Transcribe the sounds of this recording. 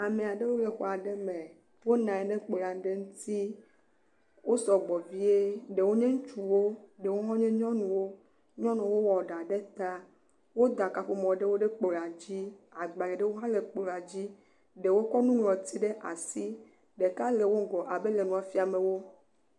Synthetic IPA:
a˨me˨a˨ɖe˦wo˦le˨xɔ˦˨a˨ɖe˦mẽ˨ | wo˦nã˨ɛ˨nɛ̃˦k͡pla˨˦ɖe˦ŋũ˦t̪i˦ | wo˦sɔ˨ɡ͡bɔ˨vi˦e˦ɖe˨wo˦ɲẽ˦ŋũ˦t͡ʃu˨wo˦ɖe˨wo˦ɦɔ̃˦ɲẽ˦ɲɔ̃˦nũ˨wo˦ | ɲɔ̃˦nɔ̃˨˦wo˦wɔ˨ɖa˨ɖe˦t̪a˦ | wo˦d̪a˨ka˨ɸu˦mɔ̃˨ɖe˦wo˦ɖe˦k͡pla˨d͡ʑi˦a˨ɡ͡ba˨le˨ɖe˦wo˦ɦã˦le˨k͡pla˨d͡ʑi˦ | ɖe˨wo˦kɔ˦nũ˦wlɔ̃˨t̪i˦ɖe˦ʔa˨si˦ | ɖe˨ka˦le˨wo˦ɡɔ˨ʔa˨be˦le˨nũ˨a˨fi˦a˨me˨wo˦

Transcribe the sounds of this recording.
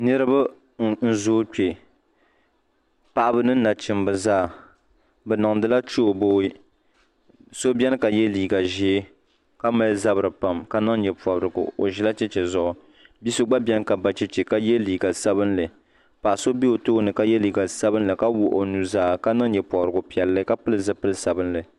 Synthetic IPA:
nɨ˦ɾɨ˦ba˦ | n̩˦zoː˦k͡pe˨ | pa˨ʔa˦bɨ˦nɨ˦na˨t͡ʃɪ˨mbɨ˨zaː˦˨ | bɛ˨nɨ˨ŋdɨ˦la˦t͡ʃo˦o˨boː˦i˦ | so˦bjɛ˦n˦ka˨jɛ˦liː˨ɡa˨ʒe˦ | ka˦ma˦lza˦bɨ˨ɾɨ˨pa˨mka˦na˦ŋ˦jɛ˨pɔ˨bɾɨ˨ɡʊ̰˨o˨ʒɛ˦la˦t͡ʃɛ˦t͡ʃɛ˨zʊ˦ʔʊ˨ | bi˦so˦ɡ͡ba˦bʲɛ˦n˦ka˨ba˦t͡ʃɛ˦t͡ʃɛ˨ka˦jɛ˦liː˨ɡa˨sa˦bɨ˦nlɨ˨ | pa˨ʔa˨so˦bi˦o˨toː˦nɨ˨ka˦jɛ˦liː˨ɡa˨sa˦bɨ˦n˦lɨ˨ka˦wʊ˨ʔo˨nu˨zaː˦˨ka˦na˦ŋjɛ˨pɔ˨bɾɨ˨ɡʊ˨pi˨ɛ˨lːɨ˦ka˦pɨ˦lɨ˦zɨ˦pɨ˦lɨ˦sa˨bɨ˦nlɨ˨

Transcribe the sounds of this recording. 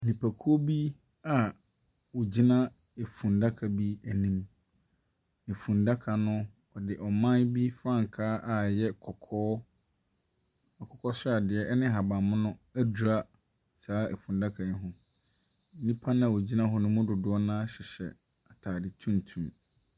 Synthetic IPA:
nĩ˨pʰæ˨kʰu˦o˦bi˦ | a˨ | wo˨d͡ʑi˦nã˦ | e˨fũ˨nda˦kʰa˨bi˦æ˨nĩ˦m | ne˨fũ˨nda˦kʰa˨nʊ̃˦ | ɔ˨dɪ˨ʔɔ˨mã˦bi˦fɾã˦˨ŋ˨kʰaː˦ʔa˨jɛ˦kʰɔ˨kʰɔː˦ | a˨kʰɔ˨kʰɔ˦sʊ˦a˨dɪ˨ɛ˦ʔɛ˦nɪ̃˦ɦa˨bã˨mʊ̃˦nʊ̃˦æ˦du˨ɾa˦ | saː˦ʔɛ̰˨fũ˨nda˦kʰa˨nɪ̃˦ɦʊ̃˦ | n̩˦nĩ˦pʰa˦nã˦a˨o˨d͡ʑi˦nã˦ɦʊ˦nʊ̃˦mʊ̃˦dʊ˨dʊ˨˦ɔ˦nãː˦ɕɪ˨ɕɛ̰˨ | a˨tʰaː˨dɪ˨tʰũ˦n˨tʰũ˨n

